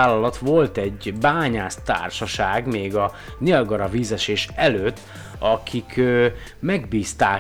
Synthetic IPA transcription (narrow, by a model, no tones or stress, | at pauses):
aːlːɒlɒt̪ʋo̞lt̪ɛɟbaːɲaːst̪a̰ːrʃɒʃaːɡmeːɡɒ | nelɡɒɾɒviːzɛʃeːʃɛløːt̪ː | ɒkʰikʰː | mɛɡbiːst̪aː